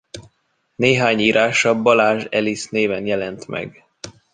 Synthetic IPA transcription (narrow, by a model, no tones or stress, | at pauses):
neːɦaːɲiːɾʔaːʃɒbɒlaːʒɛlisneːvɛnjɛlɛnt̪mɛ̰ɡ